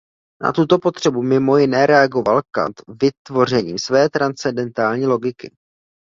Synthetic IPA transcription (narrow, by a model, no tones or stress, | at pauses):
na̰t̪ut̪o̞po̞t̪r̝̥ɛbumɪmo̞jɪnɛːɾɛaɡo̞valka̰t̪vɪt̪vo̞r̝ɛɲḭːmsvɛːt̪ɾant͡sɛndɛnt̪aːlɲiːlo̞ɡɪkɪ̰